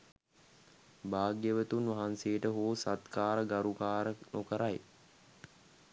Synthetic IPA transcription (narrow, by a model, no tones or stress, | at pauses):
baːɡjəʋət̪unʋaɦanseːʈəɦoːsat̪kaːɾəɡaɾukaːɾənʔokəɾaj